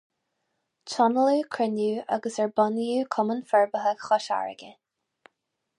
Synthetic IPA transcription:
t͡ʃʰɔnəlukʰɹɪnuːʔa̰ɡəsɛɹbɔnjuːkʰɔmənfɛɹbəɦəɡxɔʃa̰ɹə̰ɡə

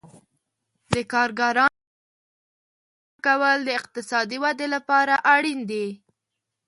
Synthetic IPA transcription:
d̪əkɑɾɡaɾɑ | kawəld̪əɪq̚t̪ɪsɑd̪iwad̪elapɑɾaʔaɽind̪e

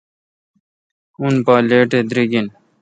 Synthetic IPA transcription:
unpaːleːʈed̪ɾiɡin

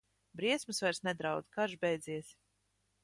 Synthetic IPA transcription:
bɾiɛsmɨsvajɾsnɛd̪ɾawd̪kaɾʒbʲɛjd̪ziɛs

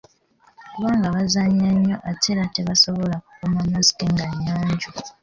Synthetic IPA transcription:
kuβaːŋɡaβazaɲiaɲːo̞ʔatʰeɾate̞βaso̞βo̞laku̥komamazi̥ke̞ŋɡaɲːaːɲɟu

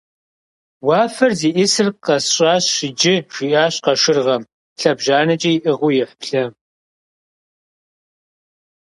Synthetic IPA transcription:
wɑːfɐrziːʔɪsɨrqɐsɕʼaːɕʃɪd͡ʒɪʒ̥iʔaːɕqɐʂɪrʁɐm | ɬɐbʒaːnɐt͡ʃʼɐjiʔɨʁʷʊjɪħpɬɐ

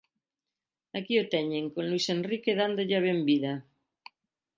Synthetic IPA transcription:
akiot̪ɛɲẽŋkonluisenrikeðand̪oʎaβ̞embiðɐ

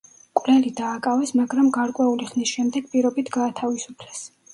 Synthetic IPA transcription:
kʼwvlɛlid̪aːkʼavɛsmaɡɾamɡaɾkʼwɛuliχnisʃɛmd̪ɛɡ̥pʼiɾɔbit̪ʰɡaːt̪ʰavisupʰlɛs

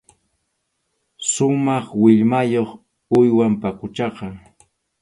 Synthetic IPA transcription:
ʃʊmɑχwɪʎmajoχ | ʊjwampakʊt͡ʃɑqɑ

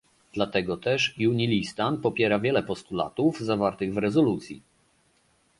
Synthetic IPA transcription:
d̪̥lat̪ɛɡɔt̪ɛʂjuɲilʲist̪anpɔpʲjɛɾavʲjɛlɛpɔst̪ula̰t̪uvzavaɾt̪ɘɣvɾɛzɔlut̪sʲjḭ

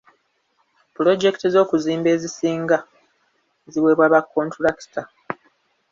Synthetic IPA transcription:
pulo̞d͡ʒe̞ktezo̞ːkuziːmbe̞ːzisiːŋɡa | eziwe̞ːβwaːβakːo̞ntuɾaki̥ta

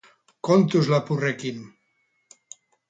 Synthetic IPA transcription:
kont̪uzlapurekin

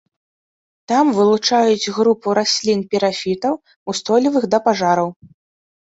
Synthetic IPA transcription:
t̪amvɨlˠut͡ʂajud͡zʲɣɾupuɾasʲlʲinpʲiɾafʲit̪ɐw | ust̪ɔlʲivɨɣd̪ɐpaʐaɾɐw

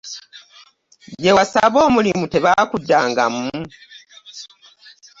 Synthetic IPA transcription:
jewasaβo̞ːmulimute̞βaːkudːaːŋɡa̰mːu

